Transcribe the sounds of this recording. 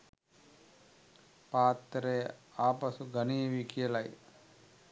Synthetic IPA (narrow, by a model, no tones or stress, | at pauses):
paːt̪ːɾeaːpɐsuɡɐnijɐʋikijɐlɐj